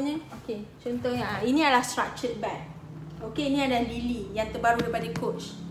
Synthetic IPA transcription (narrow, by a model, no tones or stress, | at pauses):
ɲə̃oket͡ʃɔnt̪ɔhɲainĩadəlahstɾa̰k̚t͡ʃət̪̚bat̪̚okeinĩadaalilijaŋt̪ərbaɾudapadakʰot͡ʃ